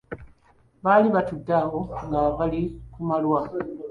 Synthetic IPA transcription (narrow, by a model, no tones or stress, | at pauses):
βaliβatudːaho̞ŋɡaβalikumalwa